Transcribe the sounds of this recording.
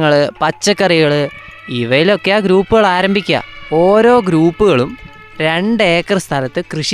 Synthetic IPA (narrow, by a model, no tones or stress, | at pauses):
ŋːɐɭɨpɐt͡ɕːɐkːɐriɣɐɭɨ | iʋɐjilo̞kːeaːɡɾuːpːuɣɐɭaːɾɐmbʱikʲːɐ̰o̞ːɾo̞ːɡɾuːpːuɣɐɭum | ɾe̞ɳɖe̞ːkːrɨst̪ʰɐlɐt̪ːɨkrɨʂ